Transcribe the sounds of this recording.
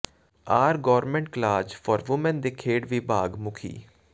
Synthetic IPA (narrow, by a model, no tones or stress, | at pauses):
aːɾɡɔːɾmɛ̃ɳʈ̚klaːd͡ʒpʰɔːɾʋʊmənd̪eːkʰeːɽʋiːbaːɡmʊkʰḭː